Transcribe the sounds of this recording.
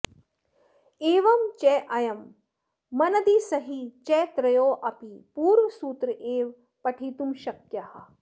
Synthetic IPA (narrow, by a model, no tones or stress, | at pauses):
eːʋɐmt͡ʃɛʔɐjɐmː | ɐnɐd̪isɐɦit͡ʃɛt̪ɾɐjoːʔɐpipuːɾʋɐsuːt̪ɾɨʔeːʋ | pɐʈʰiːt̪umʃɐkjɐhɐ̆